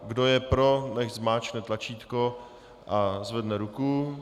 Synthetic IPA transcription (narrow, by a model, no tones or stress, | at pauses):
ɡdojɛpɾo̞nɛʃzmaːt͡ʃnɛt̪lat͡ʃiːt̪ko | ʔazvɛdnɛɾuku